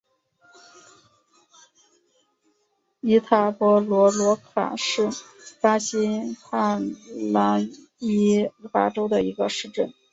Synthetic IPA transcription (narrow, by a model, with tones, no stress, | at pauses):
i˧˥t̪ʰa˨˩pwɔ˧˥lwɔ˧˥lwɔ˧˥kʰa̰˨˩ʂɻ̩˥˩pa˥ɕi˥xʰa˥˩la˧˥n | i˥fa̰˧˥ʈ͡ʂo˥ʊd̪ə˨i˧˥ɡə˧ʂɻ̩˥˧ʈ͡ʂə˥˩n